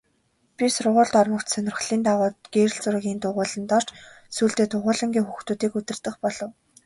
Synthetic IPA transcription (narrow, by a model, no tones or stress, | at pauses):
pʲisʊrʁʊːɮt̪ɔrmə̆kt̪sœnʲɪ̆rχɮiːnt̪aʁʊːt̪ɡ̥eːɾɘ̆ɮt͡sʊrɣʲiːnt̪ʰʊʁʊːɮə̆nt̪ɔr̥t͡ɕ | suːɮt̪eːt̪ʰʊʁʊːɮə̆ŋɡʲiːŋxuxt̪uːt̪iːkɵt̪ɘ̆rt̪ɘ̆χpɔɮɞ̆w